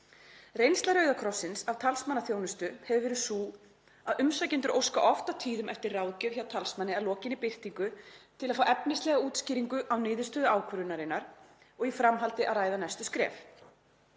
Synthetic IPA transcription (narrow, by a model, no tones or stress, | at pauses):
rejnst̪laɾœɥðakʰɾɔsːɪnsavt̪ʰalsmanːaθjownʏst̪ʏhɛvʏvɛːɾʏsuː | aðʔʏmsacɪnt̪ʏɾʔo̰wska̰ʔɔft̪at̪ʰiːðʏmʔɛft̪ɪrraːwðcɛv̥çawt̪ʰalsmanːɪalɔːcɪnɪpɪr̥t̪iŋkʏt̪ʰɪlaðfaːwɛpnɪst̪lɛɣauːt̪sciːɾiŋkʏʔawnɪːðʏst̪œːðʏaːwkʰvœɾʏnaɾɪnːaɾ̥ | ɔɣifɾamɦalt̪ɪʔaðraːjðanajst̪ʏskɾɛ̰ːf